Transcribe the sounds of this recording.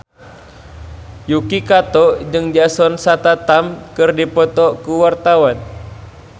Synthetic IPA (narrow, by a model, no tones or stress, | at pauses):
jukikat̪ɔd͡ʒɨŋd͡ʒasɔnsat̪at̪amkɨrdipɔt̪ɔkuwart̪awan